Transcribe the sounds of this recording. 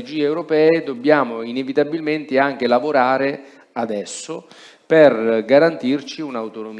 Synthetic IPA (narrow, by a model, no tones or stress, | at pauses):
d͡ʒiːɛwɾopɛːed̪obːjaːmoinevit̪abilment̪eaŋk̟elavoɾaːɾe | ad̪ɛsːo | perɡaɾant̪irt͡ʃiunawt̪onom